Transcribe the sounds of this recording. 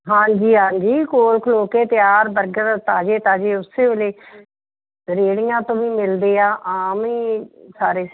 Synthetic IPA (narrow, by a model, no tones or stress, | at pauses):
ɦãːd͡ʒiːɦãːɲd͡ʒiːkoːlkʰloːkeːt̪ɪjaːɾbəɾɡəɾt̪aːd͡ʒeːt̪aːd͡ʒeːʊsːeːʋeleː | ɾeːɽɪãːt̪õːʋĩːmɪld̪eːaːʔaːmiːsaːɾeː